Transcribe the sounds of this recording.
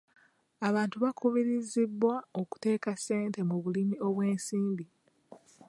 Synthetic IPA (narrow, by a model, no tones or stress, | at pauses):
aβaːntuβakuβiɾizibːwaoku̥te̞ːkase̞ːntemuβulimio̞βwe̞ːnsiːmbi